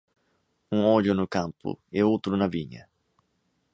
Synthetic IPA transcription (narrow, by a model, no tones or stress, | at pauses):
ũŋɔʎʊnʊkãmpʊ̰ɛowt̪ɾʊnɐvĩɲɐ